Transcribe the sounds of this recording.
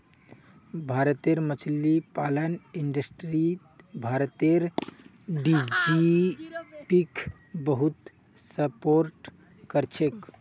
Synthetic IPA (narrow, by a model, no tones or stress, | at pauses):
bʱaɾət̪eɾmət͡ʃʰlipaləniɳɖəsʈɾi | bʱaɾt̪eɾ | ɖid͡ʒi | pikʰ | bəɦut̪ | səpoɾʈ | kəɾt͡ʃʰek